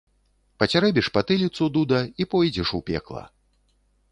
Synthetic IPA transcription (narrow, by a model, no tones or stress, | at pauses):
pɐt͡sʲaɾɛbʲiʂpat̪ɨlʲit̪sud̪ud̪ɐipɔjd͡zʲɛʂupʲɛ̰klˠɐ̰